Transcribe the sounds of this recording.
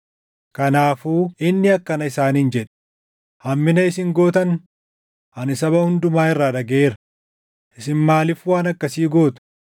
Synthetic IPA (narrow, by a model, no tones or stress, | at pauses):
kɐnaːfuːɪnːɪɐkːɐnɐɪsaːniːnd͡ʒɛᶑ | hɐmːɪnɐɪsɪŋɡo̞ːt̪ɐn | ɐnɪsɐβɐhʊnd̪ʊmaːɪrːaːᶑɐɡeːɾɐ | ʔɪsɪnmaːlɪfwaːnɐkːɐsiːɡo̞ːt̪ʊ̥